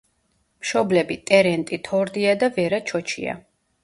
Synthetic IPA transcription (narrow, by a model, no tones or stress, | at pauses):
mʃɔblɛbit̪ʼɛɾɛnt̪ʼit̪ʰɔɾd̪iad̪avɛɾat͡ʃʰɔt͡ʃʰḭa̰